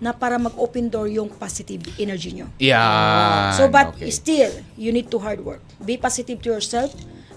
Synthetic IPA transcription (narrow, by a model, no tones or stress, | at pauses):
nɐpaːɾɐmɐɡʔoːpɛnd̪oɹjʊŋpasɪt̪ɪvʔɛnɛɹd͡ʒiɲoja | sobɐt̪st̪iljunid̪̚t̪uɦaɹd̪̚wɛɹk̚bipasɪt̪ɪv̚t̪ʊjɔɹsɛlf